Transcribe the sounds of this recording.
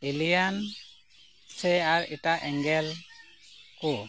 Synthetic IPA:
elijan | sɛaɾiʈaʔɛŋɡɛl | ku

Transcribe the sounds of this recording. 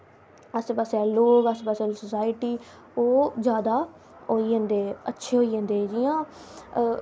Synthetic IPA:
əspaːsɛːloːɡəspaːsɛːsəsaːɪʈiː | oːd͡ʒjaːd̪aː | oːiːə̃ːnd̪eːətːʃʰeːɦoːiːɦə̃ːnd̪eːd͡ʒijãː

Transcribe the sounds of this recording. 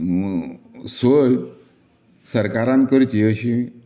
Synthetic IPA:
soj | səɾkaɾãnkəɾt͡ɕiəɕi

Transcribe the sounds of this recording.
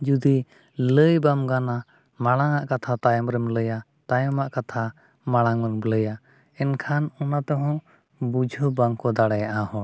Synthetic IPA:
d͡ʒud̪i | ləjbamɡana | maɽ̃aŋaʔkat̪ʰat̪ajɔmɾɛmləja | t̪ajɔmaʔkat̪ʰa | maɽ̃aŋəmbləja | ɛnkʰanɔnat̪ɔɦɔ̃ | bud͡ʒʱubaŋkɔd̪aɽɛjaʔahɔ̃

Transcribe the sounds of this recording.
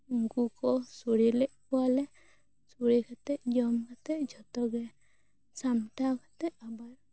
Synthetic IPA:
ɡukɔsuɽilɛʔkɔwalɛ | suɾikʰat̪ɛʔd͡ʒɔmkʰat̪ɛʔd͡ʒɔt̪ɔɡɛ | samʈakat̪ɛʔabaɾ

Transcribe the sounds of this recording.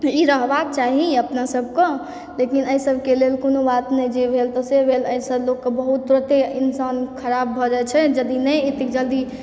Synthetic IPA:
iɾəɦbak̚t͡ʃaɦiəpnasəb̚ʱkɔ̃ | lekinəisəbʱkelelkonobat̪nɛd͡ʒebʱelt̪ɔsebʱeləisəblokːebəɦut̪̚pɾət̪einsankʰəɾabːʱɔd͡ʒajt͡ʃʰɛd͡ʒəd̪inɛet̪ikd͡ʒəld̪i

